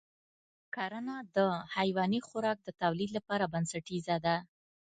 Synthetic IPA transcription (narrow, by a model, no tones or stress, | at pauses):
kaɾanad̪əhajwɑnixʊɾɑk̚d̪ət̪awlid̪lapɑɾabansaʈizad̪a